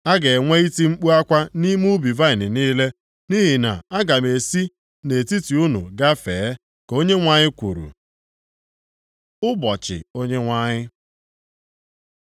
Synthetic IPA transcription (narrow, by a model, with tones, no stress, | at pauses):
a˦ɡe˨ŋʷe˦i˦ti˦ŋ͡m̩˦k͡pu˦a˦kʷa˦ni˦m˦u˦bi˨va˦ɪ˨nɪ˨niː˦le˦ | ni˦ɦi˨na̰˨a˦ɡa˨m˨e˨si˦ | ne˨ti˦ti˨u˦nṵ˨ɡa˦fḛ˨˦ | ko˦ɲe˦ŋʷa˦ɲɪ˦kʷu˨ɾṵ˨ | ʊ˦bɔ˨t͡ʃɪ̰˨o˦ɲe˦ŋʷa˦ɲɪ˦